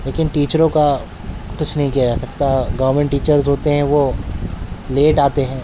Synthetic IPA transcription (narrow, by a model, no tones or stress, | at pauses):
leːkɪnʈiːt͡ʃəɾõka | kʊt͡ʃʰnɐɦĩkiɦad͡ʒasɐkt̪aɡɐʋəɾmẽɳʈːiːt͡ʃəɾzɦoːt̪eɦɛ̃ʋo | leːʈaːt̪eɦɛ̃ː